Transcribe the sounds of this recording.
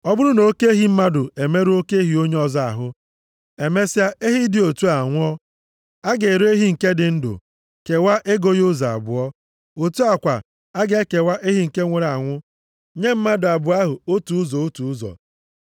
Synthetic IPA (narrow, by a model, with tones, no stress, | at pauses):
ɔ˦bʊ˦ɾʊ˦no˦ke˦ɦi˨m̩˦ma˦dʊ˨e˨me˦ɾu˦o˦ke˦ɦi˨o˦ɲe˦ɔ˨za˦a̰˨ɦʊ˦ | e˨me˦sja˦e˦ɦi˦dɪ˨o˨tu˦a˨ŋʷʊ˦ɔ˦ | a˦ɡe˨ɾe˦ɦi˦ŋ̩˨ke˦dɪ˨n̩˦dʊ̰˨ | ke˨wa˦ʔe˦ɡo˦jʊ˦za˨a̰˨bʊ˨ɔ˦ | o˨tu˦a˨kʷa̰˨ | a˦ɡe˦ke˨wa˦ʔe˦ɦi˦ŋ̩˨ke˦ŋʷe˨ɾa˨ŋʷʊ˦ | ɲe˦m̩˦ma˦dʊ˨a˨bʊ˨a˦ɦʊ˨o˦tu˨ʊ˦zɔ˨o˦tu˨˦zɔ̰˨